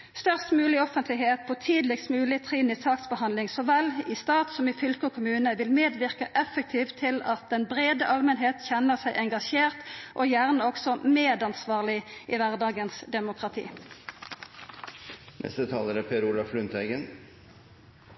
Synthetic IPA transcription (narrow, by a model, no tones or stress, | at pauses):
st̪œʁst̪mʉːlɪɔfənt̪lɪɦeːt̪̚pʰot̪ʰiːd̪lɪksmʉːlɪt̪ʰʁiːnɪsɑːksbəhɑnd̪lɪŋsɔːʋɛliːst̪ɑːt̪sɔmɪːfʏlkɔkʰʊmʉːnəʋɪlmeːd̪ʋɪʁkəʔɛfːək̚t̪ʰiːʋt̪ʰːɪlɑt̪̚d̪ɛnbʁeːd̪əʔɑlmənɦeːt̪çɛnːəʁsæɪʔɛŋɡɑʃeːʁt̪ʔojæʁnəɔksɔmeːd̪ɑnsʋɑːʁlɪʔiʋæʁd̪ɑːɡənsd̪ɛmʊkʁɑt̪ʰḭː | nʔɛ̰st̪ət̪ʰɑːləɾæpʰeːɾulɑflʉnt̪ʰæɪɡən